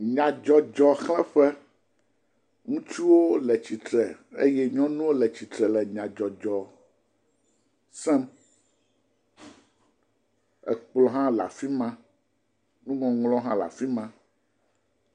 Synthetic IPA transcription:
ɲã˨d͡ʒɔ˨d͡ʒɔ˨xlɛ̃˦ɸɛ˦ | ŋũ˦t͡ʃu˦wo˦lɛ˨t͡ɕi˨t̪ɾɛ˨ḛ˦jɛ˦ɲɔ̃˦nũ˦wo˦lɛ˨t͡ɕi˨t̪ɾɛ˨lɛ˨ɲã˨d͡ʒɔ˨d͡ʒɔ˨ | sɛ̃˦m | ɛ̰˨k͡plɔ˨ɦã˦la̰˨fi˦mã˦ | nũ˦ŋɔ̃˨ŋlɔ̃˦ɦã˦la̰˨fi˦mã˦

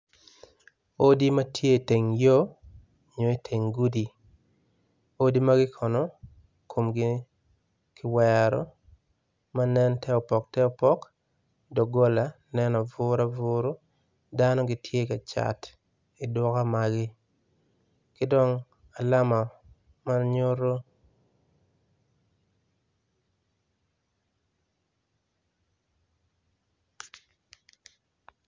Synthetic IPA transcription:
o˦di˦ma˦tʰje˦˨te˨ŋjo˦ | ɲo˨i˦tʰe˨ŋɡu˦di˨ | o˦di˦ma˦ɡɪ˦kʰɔ˨nɔ˦ | kʰo˨mɡɪ˦ | kɪ˦wɛ˨ɾɔ̰˨˦ | ma˦nɛ˦ntʰɛ˦ɔ˨pɔ˨k̚tɛ˦ɔ˦pɔ˦k | dɔ˨ɡo˦la˨ | nɛ˦nɔ˨vʊ˦ɾa˦vʊɾo˦ | da˦nɔ˦ɡɪ˨tʰje˦ka˨t͡ʃa̰˨t | i˨dwɔ˦ka˦ma˨ɡɪ˦ | kɪ˦dɔ˦ŋ | a˨la˦ma˨ | ma˦rɲo˦ɾo˦

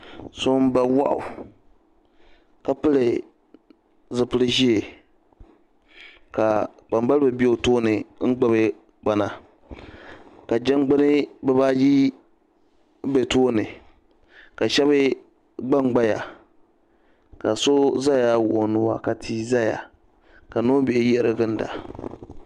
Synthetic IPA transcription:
so˦m˦ba˨wa˦ʔʊ̰˨ | ka˨pɨ˦lɨ˨ | zɨ˨pɨ˦lɨ˦ʒi˦e˨ | ka˨ | k͡pa˨mba˦lɨ˦bɨ˨bi˦o˦toː˦nɨ˨ŋ̩˦ɡ͡ba˦bɨ˦ | k͡pa˨na̰˨ | ka˨d͡ʒa˦ŋ˦ɡ͡bɨ˦nɨ˦bɛ˦ba˦ji˦ | be˨toː˦nɨ˨ | ka˨ʃɛ˦bɪ˦ | ɡ͡ba˦ŋ͡mɡ͡ba˦ja̰˨ | ka˨so˦za˦ja˨wʊ˨ʔo˨nʊ˦wa˨ka˨tʰi˦za˦ja̰˨ | ka˨no˦bi˨e˨ji˦ɾɨ˦ɡɨ˦n˦da̰˨

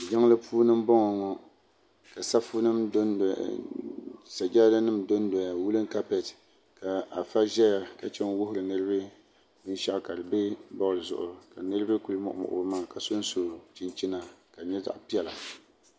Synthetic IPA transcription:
d͡ʒa˦ŋ˦lɨ˦pʰuː˦nɨ˦m˦bɔ˦ŋɔ˨ŋɔ˦ | ka˨sa˦fu˦nɨ˦m˦ | sa˨d͡ʒa˦da˦nɨ˦mdo˦n˦dɔ˨ja˨wu˦lɨ˦ŋ˦ka˦pɛ˨t | ka˨a˨fa˦ʒɛ˦ja˨ka˨t͡ʃɛ˦n˦wʊ˦ɦʊ˦ɾɨ˨nɨ˦ɾɨ˦bɨ˦ | bɨ˦n˦ʃa˦˨ka˨dɨ˨bɪ˦bɔ˦ɣɨ˨zʊ˨ʔʊ˨ka˨nɨ˦ɾɨ˦bɨ˦ku˨lɨ˦mɔ̰˨ʔmɔ̰˨ʔʊ̰˨bɨ˦maː˦˨ka˨so˦n˦so˦˨t͡ʃi˨nt͡ʃi˦na˨ka˨ɲɛ˦za̰˨ʔpi˦ɛ˨la˨

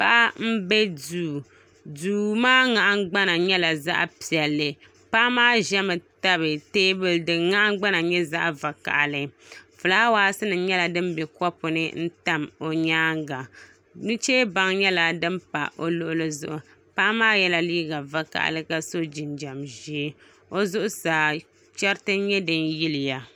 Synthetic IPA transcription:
pa˦ʔm̩˦bɛ˦duː˨ | duː˨˦maː˦ŋa˨ʔa˦ɡ͡ba˦na˨ɲɛ˦la˨za̰˦ʔpi˨ɛ˨lːɨ˨ | pa˦maː˦ʒɛ˦mɨ˨ta˦βɨ˨teː˦bɨ˦ldɨ˨ŋa˦ʔa˦ɡ͡ba˦na˨ɲɛ˦za˦ʔa˨va˨ka̰˨ʔlɨ˦fɨ˨laː˦waː˦sɨ˦nɨ˨˦ɲɛ˦la˨dɨ˦mbɛ˨kɔ˦pʊ˨nɨ̰˦n̩˦ta˦mo˨ɲaː˦ŋɡa˨ | nu˦t͡ʃeː˦ba˨ŋɲɛ˦la˨dɨ˦mpa̰˨ʔo˦lʊ˦ʔʊ˦lɨ˦zʊ˨ʔʊ˨ | paː˦maː˦jɛ˦la˦liː˦ɡa˨va˨ka̰˨ʔa̰˨lɨ˦ka˦so˦d͡ʒi˨nd͡ʒa˨mʒi˦ | o˦zʊ˦ʔʊ˦saː˨ | t͡ʃɛ˦ɾtɨ˦ɲɛ˦dɨ˦nji˦lɪ˨ja˨

